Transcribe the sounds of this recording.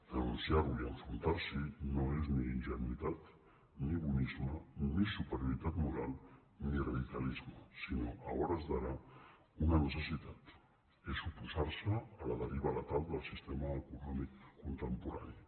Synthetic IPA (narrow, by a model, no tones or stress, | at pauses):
d̪ənunsjaɾuiəɱfɾunt̪aɾsinoezniːnʒənit̪at̪ | niβunizmənisupəɾjuɾit̪at̪muɾalˠnirəðikəlizməsinoʔə̰ɔɾəzðəɾa | unənəsəsit̪at̪ | esupuzaɾsəːləðəɾiβələt̪alˠd̪əlˠsist̪eməːkunɔmikːunt̪əmpuɾa̰ni